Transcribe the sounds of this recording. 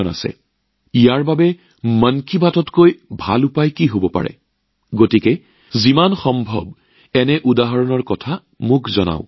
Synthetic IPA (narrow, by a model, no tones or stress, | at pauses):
ɔna̰sɛ̰ | ijaɹbabɛ | mənkibʱatɔtkojbʱa̰lupajkiɦobɔpa̰ɹɛ̰ | ɡotikɛ | zimanxɔmbʱɔ̰b̚ | ɛnɛʔudaɦɔɹɔnɔɹkɔtʰa | mʊkʰzɔna̰ʊ̃